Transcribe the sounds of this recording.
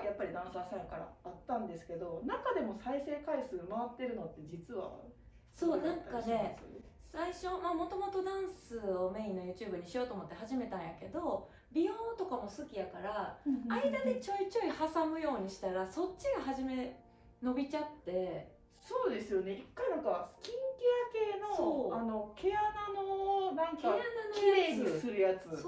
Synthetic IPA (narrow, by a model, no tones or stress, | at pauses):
japːaɾʲid̪ãɰ̃sɨasakaɾa̰ːt̪ːãnd̪e̞sɨ̥ke̞d̪o̞nakad̪e̞mo̞saise̞ːkaisɨmaβat̪ːe̞ɾɯ̟no̞t̪ːe̞d͡ʑit͡sɨβa̰ | so̞ːnãŋkane̞ | saiɕo̞mamo̞t̪o̞mo̞t̪o̞d̪ãɰ̃sɨo̞me̞inːo̞jɯ̟ːt͡ɕɨ̟ːbɯ̟ɲ̟iɕijo̞ːt̪oːmo̞t̪ːe̞ɦaʑime̞t̪ãɰ̃jake̞d̪o̞ | bʲiõnt̪o̞kamo̞sɨkʲijakaɾaaid̪ad̪e̞t͡ɕo̞it͡ɕo̞ihasamɯ̟jo̞ːɲ̟iɕi̥t̪aɾaso̞tt͡ɕːɕiɡaɦaʑime̞ | no̞bʲit͡ɕat̪ːe̞ | so̞ːd̪e̞sɨjo̞neikːanakakʲĩŋkeake̞ːno̞soano̞ke̞ananonãŋkaananojaeɡɨisɨɾɯ̟jat͡sɨo